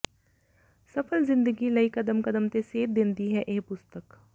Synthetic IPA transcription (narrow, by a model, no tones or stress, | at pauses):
sɐfʰəlzɪ̃nd̪əɡiləikɐd̪əmkəd̪əmt̪eseːt̪̚d̪ẽːnt̪iɦɛʔeːpʊst̪ək